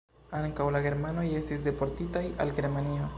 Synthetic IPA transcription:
aŋkawlaɣeɾmanojest̪is̬d̪e̞poɾt̪it̪ajalɡeɾmanio

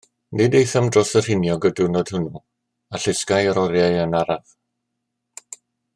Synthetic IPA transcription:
nɪdejθamdrɔsər̥hɪnjɔɡədʊnɔd̥hʊnɔ | aɬɪskajəɾɔɾjaɨənaɾav̥

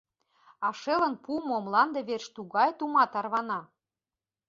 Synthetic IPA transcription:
ɑʃelə̆npumoomlɑnd̪ɤ̆βerʃt̪uɣɑjt̪umɑt̪ɑrβɑnɑ

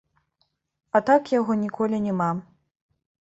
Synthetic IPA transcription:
at̪akjaɣɔnʲikɔlʲinʲɛma

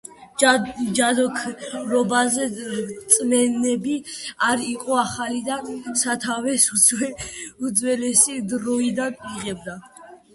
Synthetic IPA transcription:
d͡ʒad̪ɔkʰɾɔbazɛt̪sʼmɛnɛbiaɾiqʼɔaχalid̪asat̪ʰavɛsusʰwɛud̪zwɛlɛsid̪ɾɔid̪anʼiʁɛb̚d̪a

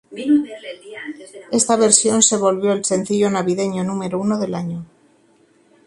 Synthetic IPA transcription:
e̞st̪aβe̞ɾsjo̞nse̞β̞o̞lβjo̞else̞nθiʎo̞naβið̞e̞ɲonume̞ɾounoðe̞laɲo

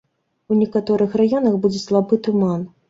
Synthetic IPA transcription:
unʲɛkat̪ɔɾɨxrajɔnɐxbud͡zʲɛslˠabɨt̪uman

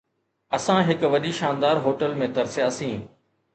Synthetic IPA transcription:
ɐsãɦɪkʋɐɗiʃaːnd̪aːɾɦoːʈəlmẽt̪ɐɾsjaːsĩː

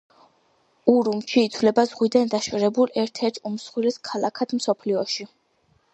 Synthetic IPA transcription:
uɾumʃiːt̪ʰvlɛbazʁwid̪and̪aʃvɾɛbulɛɾt̪ʰɛɾt̪ʰumsχwilɛskʰalakʰad̪msɔpʰliɔʃi

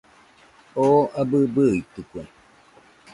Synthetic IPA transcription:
oabɨbɨit̪ɨkʷe

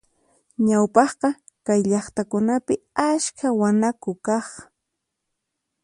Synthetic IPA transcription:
ɲawpɑχqɑ | kajʎɑχt̪akʊnapɪaʃkʰawanakʊkɑχ

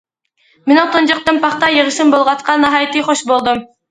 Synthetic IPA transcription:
mɪnɪŋt̪ʰond͡ʒɑq̚t̪ɨnpʰɑχt̪ɑjəʁəʃɨmbolˠʁɑt̪̚qʰɑnːɑɦɑjt̪ɨχoʃbolˠd̪ɨm

